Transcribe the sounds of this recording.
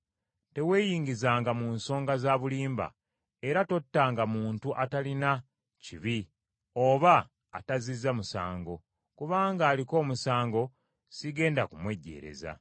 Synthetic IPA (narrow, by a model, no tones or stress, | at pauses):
te̞we̞ːjiːŋɡizaːŋɡamunso̞ːŋɡazaːβuliːmba̰ | e̞ɾato̞tːaːŋɡamuːntuʔatalina | ciβi | o̞βa̰ː | tazizːamusa̰ːŋɡo̞ | kuβaːŋɡaːliko̞ːmusaːŋɡo̞ | siɡe̞ːndakumwe̞ɟːe̞̰ːɾe̞̰za̰